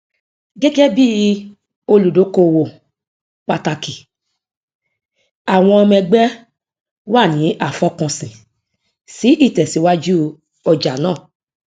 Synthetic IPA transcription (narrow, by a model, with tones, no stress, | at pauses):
ɡɛ˦ɡɛ˦bi˦ | o˧lu˨do˨˦ko˧wo˨ | k͡pa˧ta˧ki˨ | a˨w̃ɔ̃˧ɔ˧mɛ̃˧ɡ͡bɛ˦ | wa˦˨nĩ˨˦ʔa˦˨fɔ˧˦kɔ̃˧sĩ˨ | si˨˦ʔi˦˨tɛ˨si˨˦wa˦d͡ʒu˦ | ɔ˧d͡ʒa˨nãː˦˨